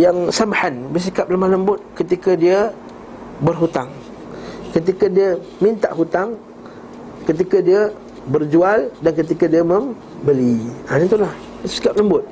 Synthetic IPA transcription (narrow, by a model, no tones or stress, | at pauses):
jaŋsamħanbərs̬ikap̚ləmahləmbʊt̪̚kət̪ikadiə | bərɦut̪aŋ | kət̪̬ikadiə | mĩnt̪a̰ʔɦut̪aŋ | kət̪̬ikadiə | bərd͡ʒualdankət̪̬ikadiəməm | bəlianit̪ulah | bəsi̥kap̚ləmbʊt̪̚